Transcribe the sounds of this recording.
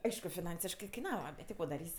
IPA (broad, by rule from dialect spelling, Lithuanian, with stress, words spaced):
ˈɐɪʃkʊ fʲɪˈnɐnʲsʲɪʃkɜ kɐɪˈnɑːʋɐ bʲɛt tʲɪ ˈkoː dɐˈrʲiːsʲ